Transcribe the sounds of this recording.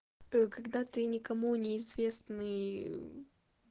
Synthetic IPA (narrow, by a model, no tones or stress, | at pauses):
əkɐɡd̪at̪ɨnʲɪkɐmunʲɪːzvʲe̞snɨj